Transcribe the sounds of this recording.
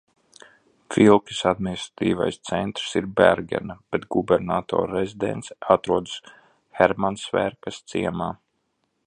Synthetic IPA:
filˠkʲi̥sad̪̚minist̪ɾḁt̪iːva̰jst̪sɛnt̪ɾsiɾbæɾɡʲɛ̰nab̥ɛt̪ɡubɛɾnaːt̪ɔ̰ːɾːezʲid̪ɛ̰nt̪sat̪ɾuɔd̪s | xɛɾmansvɛɾkast̪siɛmaː

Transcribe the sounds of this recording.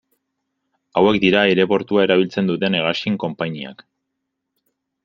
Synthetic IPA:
awe̞kd̪iɾaeɾe̞po̞ɾt̪uae̞ɾaβ̞ilt͡se̞nd̪ut̪e̞neɣ̞askiŋko̞mpaɲia̰k

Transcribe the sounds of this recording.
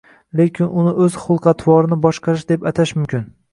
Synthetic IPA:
le̞kʲʰɪnʊnɪʔɵz̥χʊlˠqɑt̪ʰwɒɾɪnɪbɒʃqɑɾɪʃd̪e̞pat̪ʰaʃmʊmkʲɪn

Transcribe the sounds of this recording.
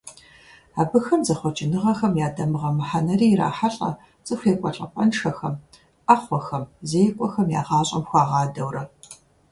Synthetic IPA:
aːbɨxɐmzɐχʷɔt͡ʃʼɪnɨʁɐxɐmjaːdɐmɨʁɐmɨħanɐriːɾa̰ːħaɬʼɐ̰ | t͡sʼɨxʷeːkʷʼɔɬʼɐ̰pʼɐnʂɐxɐm | ʔaχʷɔxɐmzeːjkʷʼɔxɐmja̰ːʁɑːɕʼɐ̰mxʷɑːʁɑːdɐwrɐ

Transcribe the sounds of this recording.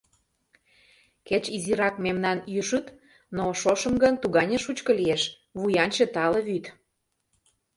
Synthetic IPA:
ket͡ɕiziɾɑkmemnɑnjyʃut̪ | noʃoʃə̆mɡənt̪uɣɑnʲĕʃut͡ɕkɤ̆lieʃ | βujɑnʲt͡ɕĕt̪ɑlɤ̆βyt̪

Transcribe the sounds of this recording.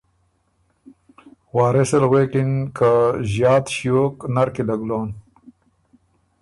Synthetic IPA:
waːɾeselɣekinkaʑjɑːt̪ɕjoːknaɾkilaɡloːn

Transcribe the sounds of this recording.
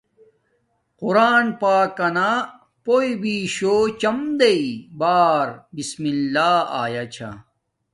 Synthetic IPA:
quɾaːnpaːkɐna | poibiɕoːt͡ɕɐmd̪eibaːɾbismilːaːa̰ːjat͡ɕʰa̰

